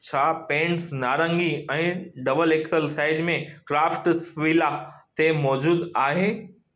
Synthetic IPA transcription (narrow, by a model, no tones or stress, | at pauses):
t͡ɕʰaːpẽːɳsnaːɾə̃ŋɡiɛ̃ːɖɐbəleksəlsaːɪzmẽkɾaːfʈsʋilat̪emɔːd͡ʑuːd̪aːɦeː